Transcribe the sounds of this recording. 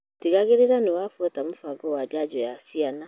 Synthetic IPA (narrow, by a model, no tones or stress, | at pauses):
tiɣaɣeɾeɾanewaːfuɔtamofaɡɔwad͡ʒad͡ʒɔjasiana